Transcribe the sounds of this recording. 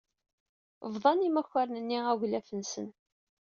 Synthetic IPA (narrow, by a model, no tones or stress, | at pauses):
vðˤɑnimæçaɾnənːiæʝlæfənsən